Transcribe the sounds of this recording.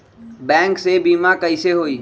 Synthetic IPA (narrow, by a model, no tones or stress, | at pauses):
bɛ̃ːŋksebiːmakəiseːɦoːiː